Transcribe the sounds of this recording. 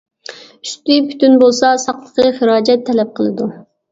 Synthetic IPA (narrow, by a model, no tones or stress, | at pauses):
yʃt̪ipʰy̥t̪ynbolˠsɑsɑqlˠəqəχəɾɑːd͡ʒɛt̪ʰːɛlɛp̚qʰəlˠɨd̪u